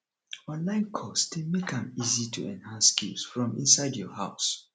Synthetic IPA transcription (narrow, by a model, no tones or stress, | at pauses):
walãɪ̃nkʰɔsdemekãmizitʰṵɛ̰̃nhãnskisfɹɔ̃mḭ̃nsaɪdjɔhaʊs